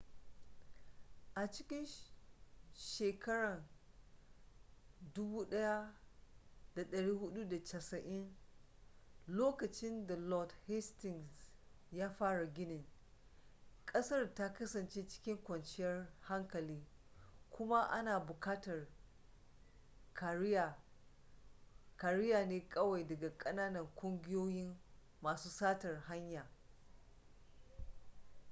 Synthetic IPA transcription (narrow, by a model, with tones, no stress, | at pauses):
ʔa˨t͡ʃɪ˦kʲɪ˦n | ʃeː˨kʰɐ˦ɽɐ˨n | dʊ˦buː˦ɗɐ˦ja˦ | da˨ɗɐ˨ɽiː˦hʊ˦ɗu˦da˨t͡ʃɐ˨sɐ˨ʔɪ˦n | loː˦kɐ˨t͡ʃɪ˦nda˨lɔ˨dhɛ˦stɪ˨ŋs | jaː˦ɸaː˦ɽa˨ɡʲɪ˦nɪ˨ŋ | kʼɐ˦sɐ˦rta˦kɐ˦sɐ˨nt͡ʃeː˦t͡ʃɪ̥˦kʲɪ˦ŋkʷɐ˨nt͡ʃɪ˦jɐ˦rha˦ŋkɐ˨liː˦kʷʰʊ˦ma˦ʔa̰˦naː˨bʊ˨kaː˦tɐ˨r | ka˨ | ka˨ɾɪ˦jaː˨neː˦kʼɐ˦wa˨jdɐ˨ɡa˨kʼɐ˦naː˦nɐ˨ŋkʷʼʊ˦ŋɡʲɪ˦joː˦jɪ˦m | maː˨suː˦saː˦tɐ˨rɦa˦ɲjaː˨